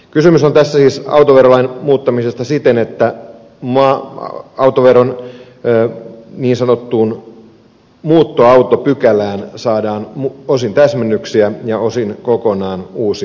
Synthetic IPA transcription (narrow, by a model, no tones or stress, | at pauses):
kysymysont̪æsːæsiːsɑ̰wt̪oʋerolɑinmuːt̪ːɑmisest̪ɑsit̪enet̪ːæ | mɑ̰ | ɑwt̪oʋeronː | niːnsɑnot̪ːuːn | muːt̪ːoɑut̪opykælæːnsɑːdɑːnuosint̪æsmenːyksiæjɑosinkokonɑːnuːsi